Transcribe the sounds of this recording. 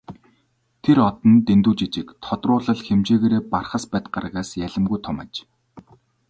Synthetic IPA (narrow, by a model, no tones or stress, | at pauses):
t̪ʰeɾɔt̪ɞ̆nt̪ent̪uːt͡ɕit͡ɕɪ̆kt̪ʰɔt̪rʊːɮə̆ɮxemt͡ɕeːɣeːɾeːparχə̆spæːt̪̚ɢarə̆ɣaːsjæɮə̆mɡujt̪ʰɔmæ̰ːt͡ɕ